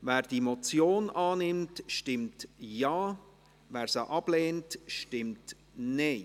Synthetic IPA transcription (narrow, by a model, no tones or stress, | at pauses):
vɛːɾd̥imɔt͡sjoːnʔɑːnɪmtʃtɪmtjɑː | vɛːɾsaʔɑb̥leːntʃtɪmt | neɪ